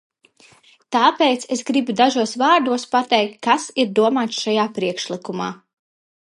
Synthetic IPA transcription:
t̪aːpeːjt̪sesɡɾibud̪aʒuɔsvaːɾd̪uɔspat̪ɛjk̚t̪̚kːasiɾd̪uɔmaːt̪sʃajaːpɾiɛkʃlˠikuma̰ː

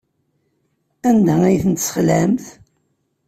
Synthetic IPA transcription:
ænd̪ææjθənt̪sχlæmθ

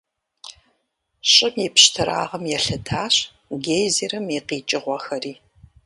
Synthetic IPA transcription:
ɕʼɪmipɕtʰɨɾa̰ːʁɐmjɛɬɨdʰaːɕ | ɡejzirɨmiqiːt͡ʃʼɪʁʷɔxɐriː

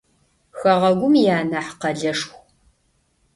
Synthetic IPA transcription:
xɐʁɐɡʷʊmjaːnɐħqɐɮɐʂxʷ

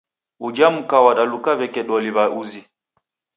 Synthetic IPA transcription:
ud͡ʒam̩kawaɗalukaβɛkɛɗɔliβaʔuzi

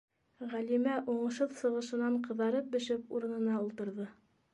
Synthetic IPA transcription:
ʁælimæʔuɴɤ̆ʃhɤðsɤ̆ʁɤ̆ʃɤ̆nɑɴqɤ̆ðɑɾɤp̚bɘ̆ʃɘpuɾɤ̆nɤ̆nɑulˠt̪ɤ̆ɾðɤ

